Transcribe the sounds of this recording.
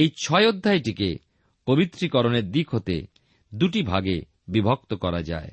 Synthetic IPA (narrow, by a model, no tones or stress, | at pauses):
ejt͡ɕʰɔeod̪ʱːajʈikḛ | pobit̪ːɾikɔɾoneɾd̪ikʰɦot̪ḛ | d̪uʈibʱaɡḛ | bibʱok̚t̪okɔɾad͡ʑa̰e